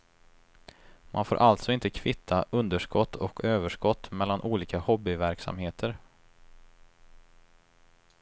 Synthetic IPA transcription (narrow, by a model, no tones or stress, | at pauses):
mʔa̰nfo̰ːɾʔalt̪sɔɪnt̪əkʰvɪt̪ʰːaʔɵnd̪əʂkɔt̪ʰːɔkʰøːvəʂkɔt̪ːmɛlːanʔuːliːkahɔbːɪvæɾksa̰mheːt̪ʰəɾ